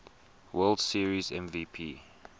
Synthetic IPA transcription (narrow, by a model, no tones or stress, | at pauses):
wɜldsiəɹizɛ̃mviːpʰiː